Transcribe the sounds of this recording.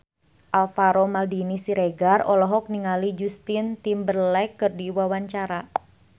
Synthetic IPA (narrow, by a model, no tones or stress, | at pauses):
ʔalfaɾomaldinisiɾeɡarɔlɔɦɔk̚niŋalid͡ʒust̪int̪imbərlɛkːɨrdiwawaɲt͡ʃaɾa